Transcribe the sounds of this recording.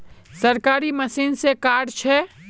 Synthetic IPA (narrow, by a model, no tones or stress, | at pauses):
sɐɾkaːɾiməsiːnsekaːɾt͡ʃʰɛ